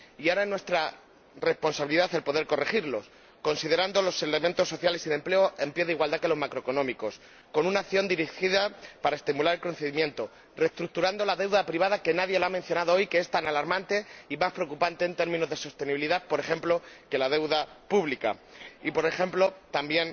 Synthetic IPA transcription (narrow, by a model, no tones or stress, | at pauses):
iaɾaenwe̞st̪ɾa | re̞spo̞nsaβiliðaθe̞lpo̞ðe̞ɾko̞re̞xiɾlo̞s | ko̞nsið̞e̞ɾand̪o̞lo̞se̞le̞mẽnt̪o̞sːo̞θjalesiðe̞mple̞o̞e̞mpjeðeiɣwald̪ake̞lo̞zmakɾo̞eko̞nomiko̞s | ko̞nũnakθjo̞nd̪iɾixiðapaɾaest̪imulaɾe̞lko̞n̟θe̞ðimjẽ̞nt̪o̞ | re̞st̪ɾuk̚t̪uɾand̪o̞laðe̞wðapɾiβ̞aðake̞naðje̞laamẽ̞n̟θjonaðoojke̞est̪analaɾmãnt̪e̞imaspɾeo̞kupant̪e̞ːnt̪e̞ɾmĩno̞zðe̞sost̪e̞niβiliðaθpo̞ɾe̞xe̞mplo̞ke̞lað̞e̞wðapuβlika̰ipo̞ɾe̞xe̞mplo̞t̪ambje̞n